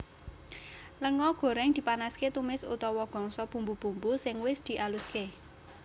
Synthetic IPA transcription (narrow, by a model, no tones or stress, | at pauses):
ləŋɔɡ̥o̤ɾɛŋd̪̥i̤panasket̪umɪsṵt̪ɔwɔɡ̥ɔ̤ŋsɔb̥ṳmbub̥ṳmbusɪŋwɪsd̪̥i̤ʔaluske